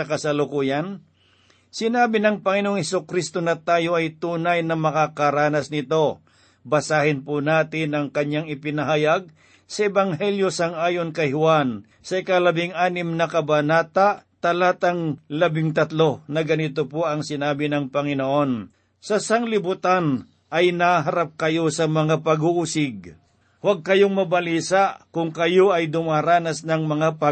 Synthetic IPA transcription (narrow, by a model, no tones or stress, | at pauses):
ɐkɐsɐlʊkuːjɐn | sɪnaːbɪnɐŋpɐŋɪnooŋhɛsokɾist̪onɐt̪aːjo̞ʔɐjt̪uːnajnɐmɐkakɐɾaːnɐsnɪt̪o̞ | bɐsaːhɪnpʊnaːt̪ɪnɐŋkɐɲːaŋɪpɪnɐɦaːjaɡ̚ | sɐɛbɐŋɦɛljosɐŋaːjonkɐjhʊwan | sɐɪkalɐbɪŋaːnɪmnɐkɐbɐnaːt̪aʔt̪ɐlat̪ɐŋlɐbɪŋt̪ɐt̪lo̞nɐɡɐnɪt̪opoɐŋsɪnaːbɪnɐŋpɐŋɪnoʔo̞n | sɐsaŋlɪbʊt̪an | ʔɐjnaɦɐɾap̚kɐjosɐmɐŋapɐɡuʔusɪɡ̚ | waɡ̚kɐjoŋmɐbɐliːsaʔkʊŋkɐjo̞ʔɐjd̪ʊmaɾaːnɐsnɐŋmɐŋapɐ